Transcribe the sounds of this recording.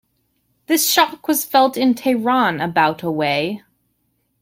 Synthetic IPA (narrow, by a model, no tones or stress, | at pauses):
ðɪsʃɑkwʌz̥fɛlˠtɨ̃ntʰaɪɹɑ̃nəbaʊɾəweɪ